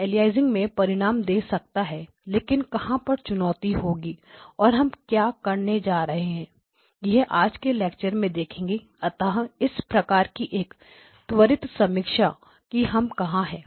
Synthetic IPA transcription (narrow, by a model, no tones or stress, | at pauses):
eːlijaːɪzɪ̃ŋɡmẽpɐɾɪɽ̃aːmd̪eːsɐk̚t̪aɦɛ | leːkɪnkɐhãpɐɾt͡ʃʊnɔːt̪iɦoːɡiːɔːɾɦɐmkjaːkɐɾned͡ʒaːɾɐɦeɦɛ̃ː | jɐɦʔaːd͡ʒkeleːk̚t͡ʃəɾmẽd̪eːkʰẽːŋɡe | ɐt̪aɦɪspɾɐkaːɾkiʔeːk | t̪ʋəɾɪt̪sɐmɪkʃa | kiɦɐmkɐɦãɦɛː